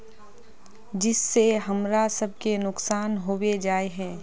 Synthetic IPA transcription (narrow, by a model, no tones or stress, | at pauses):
d͡ʒɪsːeɦɐmɾasɐb̚kenʊksaːnɦoːwed͡ʒaːeɦɛ̃ː